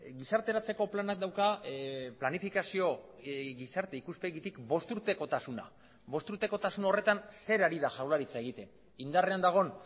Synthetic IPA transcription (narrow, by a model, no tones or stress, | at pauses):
ɡisaɾt̪e̞ɾat͡se̞ko̞planak̚d̪awkaplanifikasio̞ | ɣisaɾt̪e̞ikuspe̞ɣit̪ikbo̞st̪uɾt̪e̞ko̞t̪asuna̰ | βo̞st̪uɾt̪e̞ko̞t̪asuno̞re̞t̪anse̞ɾaɾiðaʝawlaɾit͡sae̞ɣ̞it̪e̞n | ind̪are̞and̪aɣ̞o̞n